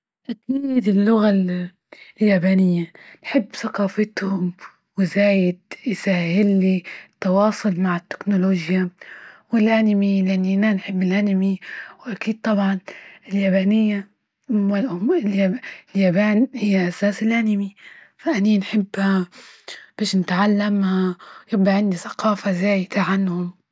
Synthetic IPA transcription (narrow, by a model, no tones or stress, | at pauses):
ʔakiːd̪ɪlːʊɣa | ljaːbaːnɪjːanħɪbːθaqɑːfɪt̪hʊm | wɪzaːjɪd̪̚jsaːhɪlːit̪ːɑwɑːsˤʊlmaʕɪt̪ːɪ̥knʊloːʒjawɪlʔanɪmilʔanːiʔananħɪbːɪlʔanɪmiwʔakiːd̪̚t̪ˤɑbʕɑnɪljaːbaːnɪjːa | aʊmɪljaljaːbaːnhɪjːaʔasaːsɪlʔanɪmi | faʔaninħɪbːha | b̥eːʃnɪt̪ʕalːamhajɪbaʕɪnd̪iθḁqɑːfazaːjɪd̪̥aʕanhʊm